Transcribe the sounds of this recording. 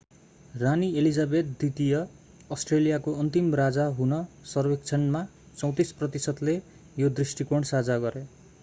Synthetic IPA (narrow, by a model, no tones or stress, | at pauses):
ranielid͡zabet̪d̪it̪ijʌ | ʌsʈrelijakoʌnt̪imrad͡zaɦunʌsʌrwekt͡sʰʌnma | t͡sʌw̃t̪isprʌt̪isʌt̪le | jod̪risʈikoɳsad͡zaɡʌɾe